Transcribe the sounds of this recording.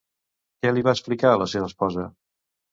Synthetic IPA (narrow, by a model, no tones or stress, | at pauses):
kɛliβaəsplikaələseβəspɔzə